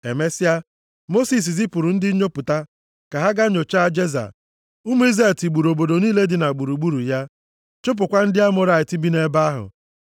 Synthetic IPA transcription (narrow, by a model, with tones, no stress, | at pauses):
e˨me˦sɪ˦a˦ | mo˦si˨s̬i˨zi˦pʊ˨ɾʊ˨n̩˦dɪ˦ɲo˦pʊ˨ta˦ | ka˨ɦa˦ɡa˦ɲo˨t͡ʃa˦d͡ʒe˦za̰˨ | ʊ˦mu˦i˦za˦˨ti˨ɡ͡bu˨ɾo˨bo˨do˨niː˦le˦dɪ˨na˨ɡ͡bu˨ɾu˨ɡ͡bu˦ɾu˨ja˦ | t͡ʃo˦p̬ʊ˨kʷa˦n̩˦dɪ˦a˦mʊ˨ɾa˨ɪ˨ti˦bi˦ne˦ba˦a˦ɦʊ̰˨